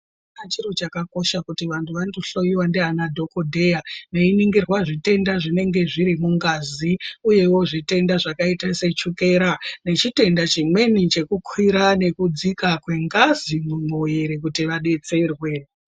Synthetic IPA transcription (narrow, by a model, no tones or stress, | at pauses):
nat͡ʃiro̞t͡ʃakako̞ʃakutiʋantʰuʋandoɬo̞jiwandeanadʱo̞ko̞dʱejane̞iniŋɡirwaʐite̞ndaʐine̞ŋɡe̞ʐiɾimuŋɡaziuje̞wo̞ʐite̞ndaʐakaitase̞t͡ʃuke̞ɾane̞t͡ʃite̞ndat͡ʃimwe̞nit͡ʃe̞kukʰwiɾane̞kud͡zikakwe̞ŋɡazimumojeɾek̬utiʋaɗe̞t͡se̞rwe̞